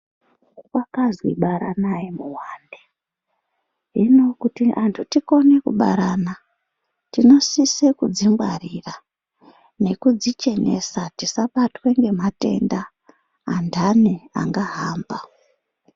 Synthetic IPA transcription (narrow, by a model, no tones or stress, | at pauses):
wakazwḭɓaɾanajemuwaːnde | ɦino̞kutiʔantʰutiko̞ne̞kṵɓa̰ɾana | tino̞sisekud͡zimbwarira | ne̞kud͡zit͡ʃe̞ne̞̰satisaɓatwe̞ŋɡe̞mate̞̰ndaː | ndʱanea̰ŋɡaɦaːmba